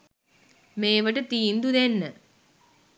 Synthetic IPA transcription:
meːʋɐʈːɨt̪iːnd̪ud̪enːɨ

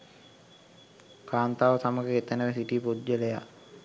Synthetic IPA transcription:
kaːnt̪aːʋəsaməɡeet̪ənəʋesiʈipud̪d͡ʒəleja

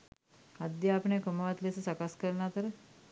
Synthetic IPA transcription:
ad̪jaːpəɳejkoməʋat̪lesəsakaskəɾnaːt̪əɾə

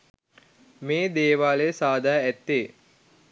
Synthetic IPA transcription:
meːd̪eːʋaːlesaːd̪aːæt̪ːeː

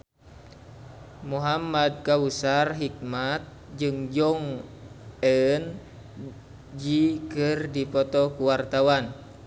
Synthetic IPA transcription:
muɦamad̪̚kawusarɦik̚mat̪̚ | d͡ʒɨŋd͡ʒɔŋ | ɛn | d͡ʒikɨrdipɔt̪ɔkuwart̪awan

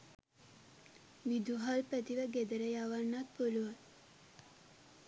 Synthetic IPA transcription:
ʋid̪uɦalpət̪iʋəɡed̪əɾəjaʋanːat̪̚poluʋa

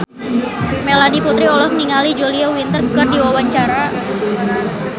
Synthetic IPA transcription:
melaniput̪ɾiɔlɔhməniŋalid͡ʒoliawint̪ərɡuɡardiwawaɲt͡ʃaɾa

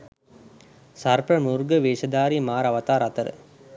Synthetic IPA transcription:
sarpəmuɾɡəʋeːʃɐd̪aːɾimaːɾaʋɐt̪aːɾat̪əɾə̰

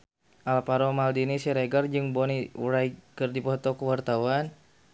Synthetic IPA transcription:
ʔalpaɾɔmaldinisiɾɛɡard͡ʒɨŋbɔniṵɾaikərdipɔt̪ɔkəwart̪awan

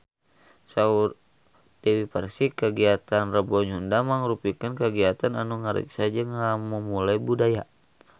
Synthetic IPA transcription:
saur | d̥ɛwipərsikəɡiat̪anrəbɔɲɦundamaŋɾupikənkəɡiat̪ananuŋaɾḭksad͡ʒəŋamumulajbudaja

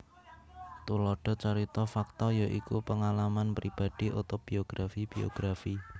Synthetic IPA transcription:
t̪ulɔɖ̥ɔ̤t͡ʃaɾit̪ɔfak̚t̪ɔjɔʔikupəŋalamanpɾib̥a̤d̥iʔut̪ob̥ioɡ̥ɾafib̥io̰ɡ̥ɾafi

